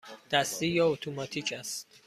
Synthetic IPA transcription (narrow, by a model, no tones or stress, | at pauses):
d̪̥æst̪ijɒːot̪ʰomɒt̪ʰiːcʰæst̪̚